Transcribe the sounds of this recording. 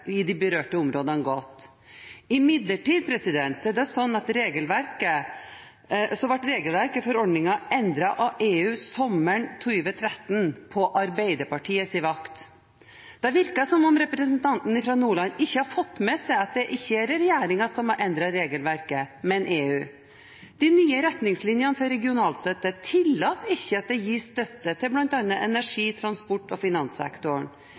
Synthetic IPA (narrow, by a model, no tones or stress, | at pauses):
ɪd̪ɪbəɾøːʈəʊmɾoːd̪ɑnɡɔt̪ː | ɪmɪd̪ləʈiːd̪̚pʰɾɛsɪd̪ɛnt̪sɔɛɖɛsɔnːɑt̪ɾeːɡəlʋæɾkə | sɔʋɑʈɾeːɡəlʋæɾkəfɔɾɔɖnɪŋɑʔɛnd̪ɾɑʔɑeːʉːsɔmːəɳt̪ʰʉʋət̪ʰɾɛt̪ːnpʰɔʔɑɾbæɪd̪əɾpɑʈʰiːəsɪʋɑkt̪ | d̪̥ɛʋɪɾkɑsɔmɔmɾɛpɾɛsənt̪ʰɑnt̪n̩ɪfɾɑnuːɭɑnɪçːəhɑɾfɔt̪ːmɛsɛɑt̪̚d̪ɛʔɪçːəæɾɾɛjæːɾɪŋɑsɔmɑʔɛnd̪ɾɑɾeːɡəlʋæɾkəmɛnʔeːʉː | d̪̥ɪnyːəɾɛt̪nɪŋslɪnjɑnəfɔɾɛɡɪʊnɑːlsøt̪ːət̪ʰɪlːɑːt̪ɪçːəɑt̪̚d̪ɛjiːst̪œt̪ːət̪ʰɪlblɑnt̪ɑnːəʔɛnæʂiːt̪ʰɾɑnspɔʈːɔfɪnɑnsɛ̰kt̪ʊɳ